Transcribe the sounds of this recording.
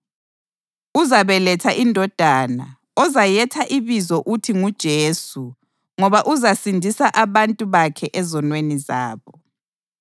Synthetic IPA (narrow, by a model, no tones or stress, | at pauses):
uzaβɛlɛtʰaʔindʱɔd̥ʱaːna | ɔzajɛtʰaʔiβizɔʔutʰiŋud̥ʒ̥ʱeːsu | ŋɔβaʔuzasindʱisaʔaβantʼuβakʰɛʔɛzɔnweniza̰ːβɔ